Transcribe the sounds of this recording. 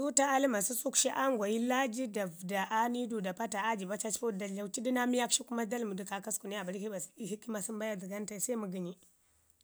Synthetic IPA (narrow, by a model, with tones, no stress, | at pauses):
su˦ta˦a˦li˦ma˨su˦su˦kʃi˦ʔa˦ŋɡʷa˨ji˦la˦d͡ʒi˦da˨vda˨ʔa˦ni˦du˨da˨pa˦ta˨a˦d͡ʒi˨ba˦t͡ʃa˦t͡ʃpo˦˨da˨ɮa˨˦t͡ʃi˦di˦na˦mi˦ja˦kʃi˦ku˦ma˦da˦lmu˨di˨ka˨ka˦sku˨ni˦a˨ba˨ɾi˦hi˦ba˨si˦hi˦ki˦ma˨si˦mba˦ja˦di˨ɡa˦n˦ta˨i˨sa˦i˦mu˨ɡi˨ɲi˦